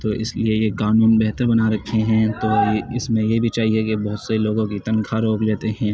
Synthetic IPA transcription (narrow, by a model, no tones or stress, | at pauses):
t̪oːʔɪ̰sliejekaːnuːnbɛɦt̪əɾbɐnaɾɐkʰːeɦɛ̃t̪oːjeɪsmẽjebʱit͡ʃaːɦiekebɐɦʊt̪sɐeloːɡõkit̪ɐ̃nkʰaɾoːkleːt̪eɦɛ̃ː